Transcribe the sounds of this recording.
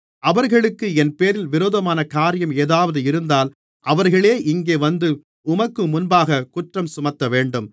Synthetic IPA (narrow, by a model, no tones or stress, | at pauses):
ʔɐʋɐɾɣɐɭɯkːɯɛnpeːɾɪlʋɪɾoːðɐmaːnɐkaːɾɪjɐmeːðaːʋɐðɯɪɾɯnd̪aːl | ʔɐʋɐɾɣɐɭeːʔɪŋɡeːʋɐnd̪ɯ | ʊmɐkːɯmʊnbaːɣɐkʊʈrɐmsʊmɐt̪ːɐʋeːɳɖɯm